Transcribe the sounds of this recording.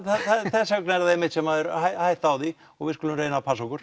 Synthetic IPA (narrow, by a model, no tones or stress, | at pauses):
θaθaθɛsːœknaɛɾaðɪmɪht̪sɛmhaðɛɾhajhajht̪aːwði | ɔɣvɪðskʏlʏmreːjnapʰasokʏɾ̥